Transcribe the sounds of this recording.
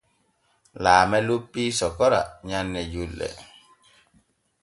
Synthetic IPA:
laːmɛlupːiːsɔkɔɾa̰ɲanːɛjulːɛ̰

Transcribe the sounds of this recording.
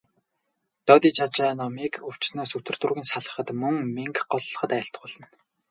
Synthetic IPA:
t̪ɔt̪iːt͡ɕʰat͡ɕaːnɔmikɵw̥t͡ɕsnoːsɵt̪ʰɵ̆r̥t̪ŭrɣʲĭːnsaɮə̆χə̆t̪mɵŋmeŋkɢɔɮːɞ̆χə̆t̪æːjə̆ɬt̪̆χʊːɮə̆n

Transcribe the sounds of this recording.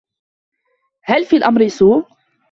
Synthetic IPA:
halfiːlʔamɾsuː

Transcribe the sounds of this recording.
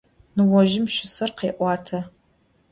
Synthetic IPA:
nɨwɔʒɪmʃɪsɐrqeːʔʷɑːtʰɐ

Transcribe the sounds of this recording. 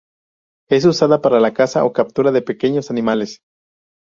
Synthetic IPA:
e̞s̬usaðapaɾalakasaokap̚t̪uɾaðepekeɲosanimales

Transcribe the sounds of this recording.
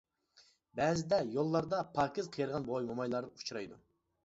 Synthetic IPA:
bɛːzɪd̪ɛjolˠːɑɾd̪ɑpʰɑkʲɪzqʰəjɨɾʁɑnbojmomɑjlˠɑɾut͡ʃʰɾɑjd̪ṵ

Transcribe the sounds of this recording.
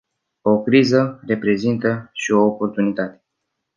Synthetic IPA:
o̞kɾizəre̞pɾe̞zint̪əʃio̞ːpo̞rt̪unit̪at̪e̞

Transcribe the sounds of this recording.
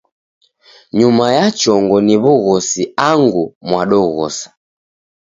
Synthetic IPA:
ɲumajat͡ʃɔŋɡɔniβuɣɔsiaŋɡumwaɗɔɣɔ̰sḁ

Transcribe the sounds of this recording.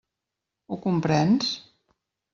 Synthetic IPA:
ukumpɾɛns

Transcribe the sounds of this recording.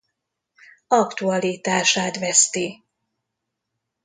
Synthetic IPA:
ɒkt̪uɒliːt̪aːʃaːt̪vɛst̪i

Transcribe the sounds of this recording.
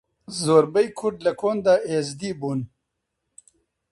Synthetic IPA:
zoːɾbɐjkʰuʈlɐkʰond̪aʔezd̪ibun

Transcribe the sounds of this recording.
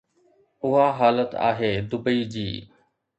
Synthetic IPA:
ʊɦaːɦaːlət̪a̰ːɦeːd̪ʊbəiːd͡ʑiː

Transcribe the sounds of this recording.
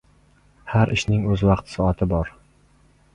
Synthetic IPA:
haɾʔɪʃnɪŋɵzvɑqt̪ʰsɒɒt̪ʰɪbɒɾ

